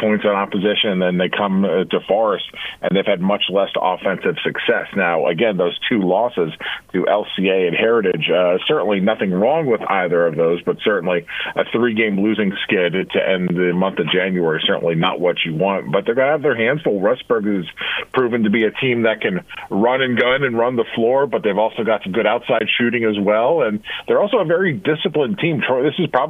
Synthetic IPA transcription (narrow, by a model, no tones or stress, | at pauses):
pʰɔ̃ɪ̃ntsnɑpəzɪʃɨ̃ñn̩ðɨ̃nðeɪkʰʌ̃mtʰəfɔɹɨstʔɨ̰̃nðeɪv̥ɨd̚mʌt͡ʃlɛsɑ̰fɛ̃nsɨv̥sɨksɛsnaʊʔə̰ɡɛ̃nðoʊz̥tʰʉlɔsɪz̥tʰɨʔɛlˠsieɪɨ̃nhɛɹɨɾɪ̥d͡ʒsɜ˞ʔn̩linʌθɪ̃ŋɹɔ̃ŋwəða̰ɪðə˞ʌvðoʊzbʌtsɜ˞ʔn̩liʔɨθɹiɡẽɪ̃mlʉzɪ̃ŋskɪɾtʰɨ̰ʔɛ̃nðɨmʌ̃nθʌvd͡ʒæ̃njʉɛɹisɜ˞ʔn̩linə̰ʔwʌt͡ʃɨwɑ̃nt̚b̥ʌt̪̚ðeɪvɡənəəvðə˞ɦæ̃nd̥fʊl̩ˠɹʌsb̥ɜ˞ɡɨz̥pʰɹ̥ʉvɨ̃ŋtʰɨbiɨtʰĩmðɨt̚kʰɨ̃nɹʌ̃nɨ̃nɡʌ̃nɨ̃nɹʌ̃nðəflɔɹbʌt̪̚ðeɪvɔlˠsoʊɡɑtsm̩ɡʊɾaʊtsaɪd̥ʃʉɾɪ̃ŋɨzwɛlˠə̃nðə˞ɔlˠsoʊəvɛɹidɪsəplə̃ntʰĩmʃʰɔðɪsɨz̥pʰɹ̥ɑ